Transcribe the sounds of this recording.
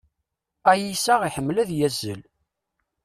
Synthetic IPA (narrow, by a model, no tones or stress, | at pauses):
æjisæʁiħəmːlæðjæzːə̰l